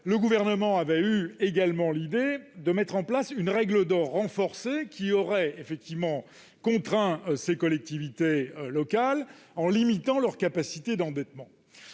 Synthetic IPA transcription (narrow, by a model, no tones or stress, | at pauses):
ləɡuvɛʁnəmɑ̃avɛyeɡalmɑ̃lid̪ed̪əmɛt̪χɑ̃plasynʁɛɡləd̪ɔʁːɑ̃fɔʁsekʲiɔʁɛefɛk̚t̪ivmɑ̃ | kɔ̃t̪χɛ̃sekɔlɛk̚t̪ivit̪elɔkalɑ̃limit̪ɑ̃lœʁkapasit̪ed̪ɑ̃d̪ɛt̪mɑ̃